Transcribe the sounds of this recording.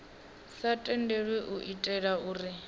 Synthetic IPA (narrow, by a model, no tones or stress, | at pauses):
satʼɛndeɺwɛʔuʔitʼɛɺauːrɪ